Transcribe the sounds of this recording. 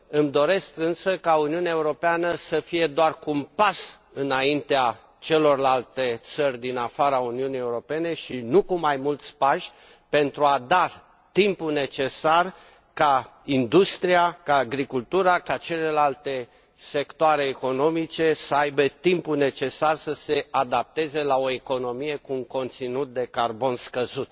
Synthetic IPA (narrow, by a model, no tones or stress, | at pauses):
ɨmd̪o̞ɾe̞skɨnsəkauniuneaeuɾo̞peanəsəfije̞d̪oarkumpas | ɨnaint̪ea | t͡ʃe̞lo̞rlalt̪e̞t̪sərʲd̪inafaɾauniunije̞uɾo̞pe̞ne̞ʃinukumajmult̪sʲpaʃʲ | pe̞nt̪ɾuad̪a | t̪impune̞t͡ʃe̞sar | kaind̪ust̪ɾiakaːɡɾikult̪uɾakat͡ʃe̞le̞lalt̪e | se̞kt̪oaɾe̞ːko̞no̞mit͡ʃe̞səajbet̪impune̞t͡ʃe̞sarsəsead̪ap̚t̪e̞ze̞lao̞eko̞no̞mije̞kuuŋko̞nt̪sinut̪̚d̪e̞karbo̞nskəzut̪̚